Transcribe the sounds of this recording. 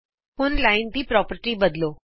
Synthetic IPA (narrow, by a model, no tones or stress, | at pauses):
ʊnlaːɪnt̪iːpɾɔːpəɾʈibəd̪loː